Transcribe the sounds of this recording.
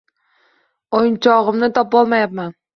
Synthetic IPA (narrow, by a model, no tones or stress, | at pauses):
ojnt͡ʃʰɒʁɨmnɪt̪ʰɒp̚bɒlˠmajap̚man